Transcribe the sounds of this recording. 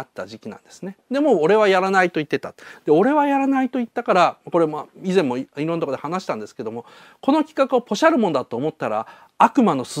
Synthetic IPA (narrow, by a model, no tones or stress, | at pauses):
at̪ːaʑikʲinã̰nd̪e̞sɨned̪e̞mo̞ːɾe̞β̞ajaɾanait̪o̞it̪ːe̞t̪at̪d̪̥e̞o̞ɾe̞βajaɾanait̪o̞it̪ːakaɾamako̞ɾe̞maizẽ̞mːo̞iɾont̪okod̪e̞hanaɕi̥t̪ãnd̪e̞sɨ̥ke̞d̪o̞mo̞ | ko̞no̞kʲi̥kakɯ̟opo̞ɕaɾɯ̟mõ̞nod̪at̪o̞ːmo̞t̪ːaɾa | akɯ̟mano̞s